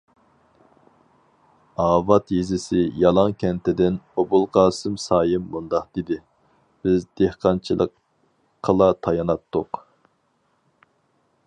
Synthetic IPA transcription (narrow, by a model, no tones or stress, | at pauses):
ɑːvɑt̪jizɪsɪjɑlˠɑŋkʲʰɛnt̪ʰɪd̪ɪnobulˠqɑːsɨmsɑːjɪmːund̪ɑqd̪̥id̪ɪ | b̥ɪzd̪ehqʰɑnt͡ʃʰilˠə̰qʰː | əlˠɑt̪ʰɑjɑnɑt̪ʰːʊq